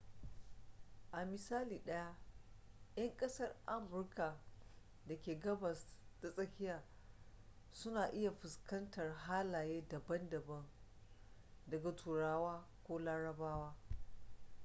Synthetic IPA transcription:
ʔa˨mɪ˨saː˦liː˨ɗɐ˦ja˦ | jɐ˦ŋkʼɐ˦sɐ˦rʔa˦mʊ˨˦rka˨ | dɐ˨kʲeː˨ɡɐ˦bɐ˨sda˨sʼɐ˦kʲɪ˦jaː˨ | sʊ˦naː˨ʔɪ˦ja˨ɸɪ˨skɐ˦ntɐ˨rɦaː˦laː˨jeː˦dɐ˨bɐ˦ndɐ˨bɐ˦ŋ | dɐ˨ɡa˨tʰuː˨ɽaː˦waː˦kʷoː˦laː˦ɽɐ˨baː˦waː˦

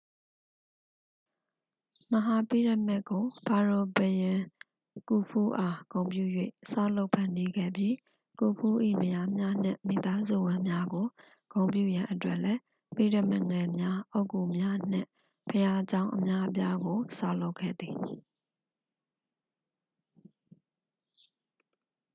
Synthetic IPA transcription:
mə˨ɦa˨pi˦˨ɾɪ˦˨mɛ˦˨ʔkːo˨pʰa˨ɹo˨bjã˨ | ku˨pʰu˦ʔa˨kõ˨ʊ̃mpjṵ˦˨jwḛ˦˨sa˦lo˦ʊpʰã˨ndi˦ɡɛ̰˦˨bji˦ | ku˨pʰu˦ʔḭ˦˨mə˨ja˦mja˦n̥ɪ̰̃˦˨mi˨t̪a˦zṵ˦˨wɪ̃˦mja˦ɡo˨ | ɡ̥õ˨ʊ̃mpjṵ˦˨jã˨ʔətwɛ˦ʔlɛ˦ | pi˦˨də˦˨mɛ˦˨ŋɛ˨mja˦ʔo˦ʊku˨mja˦n̥ɪ̰̃˦˨ | pʰəja˦d͡ʑã˦ʊ̃ʔə˨mja˦ʔə˦p̬ja˦ɡo˨sa̰˦lo˦ʊkʰːɛ̰˦˨d̪ði˨

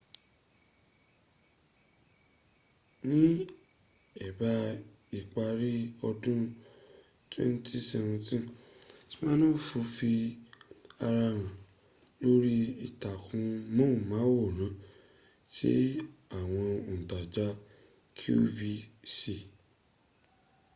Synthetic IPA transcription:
nĩ˦ | ɛ˨ba˧ | i˨k͡pa˧ɾi˦ɔ˧dũ˦ | twɛ̰̃˦n˦ti˦sɛ˧vɛ̃˧tĩ˦ti̥˦mãː˦nãː˦˨fu˧fi˧ | a˧ɾa˧ɾ̃ã˨ | lo˦ɾi˦i˨ta˨kũ˧mõ˦˨mã˨˦wo˦˨nã˨˦ | tḭ˦a˦˨w̃ɔ̃˧˨ta˨d͡ʒa˦ | kʰṵ˦vi˧si˨

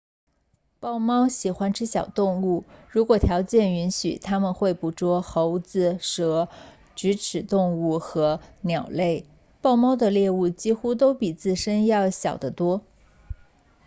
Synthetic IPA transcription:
pɑ˥˩˧ʊmɑ˥ʊɕi˨˩xwa˥nʈ͡ʂʰɻ̩˥ɕjɑ˨˩ʊt̪ʊ˥˧ŋu˥˩ɻu˧˥kwɔ˨˩t̪ʰjɑ˧˥ʊt͡ɕjɛ˥˩ny˧˥nɕy̰˨˩t̪ʰa˥mə˨nxwe˥˩ɪpu˧˥ʈ͡ʂwɔ˥xo˧˥ʊd͡zɹ̩˧ʂɤ˧˥ | ʈ͡ʂ̩˧˥ʈ͡ʂʰɻ̩˨˩t̪ʊ˥˧ŋu˥˩xɤ˧˥njɑ˨˩ʊle˥˩ɪ | pɑ˥˩˧ʊmɑ˥ʊd̪ə˨ljɛ˥˧u˥˩t͡ɕi˥xu˥t̪̬o˥ʊpi˨˩t͡sɹ̩˥˩ʂə˥njɑ˥˩ʊɕjɑ˨˩ʊd̪ə˦t̪wɔ˥

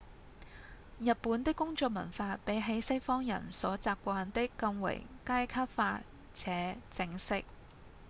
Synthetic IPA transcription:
jɐ˨t̚puː˨˥nt̪ɪ˥kːʊ˥ŋt͡sɔː˧k̚mɐ̰˨˩nfaː˧pe˨˥jɦe˨˥jsɐ˥jfɔː˥ŋjɐ̰˨˩nsɔː˨˥t͡saː˧p̚kʷaː˧nt̪ɪ˥kːɐ˧ŋwɐ̰˨˩jkaː˥jkʰa˥p̚faː˧ | t͡sʰɛː˨˥t͡sɪ˧ŋsɪ˥k̚

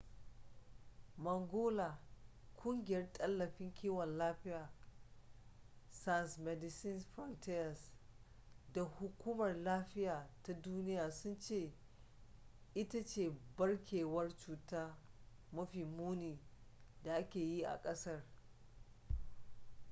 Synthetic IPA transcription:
mɐ˨ŋɡʷoː˦la˨ | kʷʼʊ˦ŋɡʲɪ˨jɐ˦rtʼɐ˦lːɐ˨ɸɪ˦ŋkʲiː˦wɔ˨nlaː˦ɸɪ˦jaː˨ | sa˦˨nsmɛ˦dɪ˨sɪ˦nɸɾɔ˦ntɪ˦jɐ˨s | da˨hʊ˦kʷuː˦mɐ˨rlaː˦ɸɪ˦jaː˨ta˦duː˦nɪ˦jaː˨sʊ˦nt͡ʃeː˦˨ | ʔɪ˦ta˦t͡ʃeː˦˨bɐ˦ɽkʲʰeː˨wɐ˦rt͡ʃuː˨taː˦ | mɐ˦ɸiː˨muː˦niː˨ | da˨ʔa˦kʲeː˨ji˦ʔa̰˨kʼɐ˦sɐ˦r

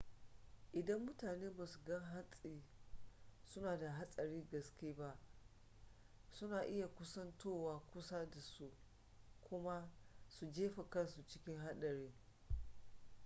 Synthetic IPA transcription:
ʔɪ˨dɐ˦mːʊ˦taː˨neː˦baː˨su˨ɡɐ˦ŋɦa˦sʼiː˨ | sʊ˦naː˨da˨ɦa˦sʼɐ˨ɾiː˦ɡɐ˨skʲeː˦ba˦ʔ | sʊ˦naː˨ʔɪ˦ja˨kʷʊ˦sɐ˦ntoː˦˨waː˦kʷʊ˦sa˦da˨su˦ | kʷʰʊ˦ma˦su˨d͡ʒeː˦ɸa˨kɐ˦nsu˨t͡ʃɪ̥˦kʲɪ˦ŋɦa˦ɗɐ˨ɾeː˦

